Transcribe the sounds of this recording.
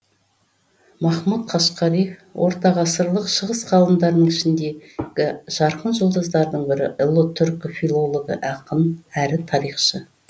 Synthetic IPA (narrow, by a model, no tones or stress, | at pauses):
mɑχmut̪qʰɑʃqɑɾijfwʔo̞̰ɾt̪ɑʁɑsəɾlˠəqʃəʁəsqʰɑlˠəmd̪ɑɾd̪əɴɪʃɪnd̪e̞ɡʲɪʒ̥ɑɾqənʒo̞lˠd̪ɑzd̪ɑɾd̪əɴbɪɾɪ̰ʔɪlˠot̪ʰʏɾkofilˠo̞lˠoɡə̰ʔɑqənæɾɪt̪ʰɑɾijχʃə